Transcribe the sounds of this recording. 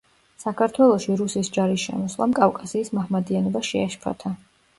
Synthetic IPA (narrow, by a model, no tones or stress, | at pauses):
sakʰaɾt̪ʰwɛlˠɔʃiɾusisd͡ʒaɾisʃɛ̰mɔslˠa̰mkʼafkʼasiːsmaʁmad̪ianɔbaʃɛaʃpʰa̰t̪ʰa